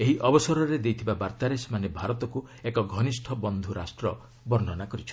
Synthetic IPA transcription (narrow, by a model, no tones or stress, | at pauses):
eɦiʔɔbɔsɔɾɔɾed̪ejt̪ʰibabaɾt̪aɾesmanebʱaɾɔt̪ɔku | ekɔɡʱɔnisʈʰɔbɔnd̪ʱuɾasʈɾɔ | bɔɾnɔnakɔɾit͡ʃʰɔ̥